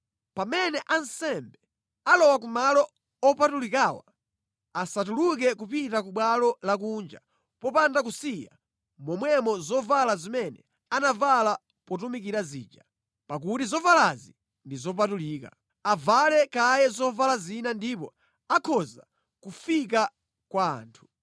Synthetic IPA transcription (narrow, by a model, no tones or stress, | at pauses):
pamɛnɛʔansɛmbɛ | alɔwak̬umalɔ | ɔpatulikawa | asatuluk̬ɛkupitakuɓwalɔlak̬uːnd͡ʒa | pɔpandak̬usija̰ | mɔmwɛmɔzɔvalazimɛnɛ̰ | anavala | pɔt̬umikiɾazḭːd͡ʒa | pak̬utizɔvalazi | ndizɔp̬atuliːka | avalɛkajɛzɔvalazinandip̬ɔ | akʰɔza̰ | kufik̬a | kwa̰ːntʰu̥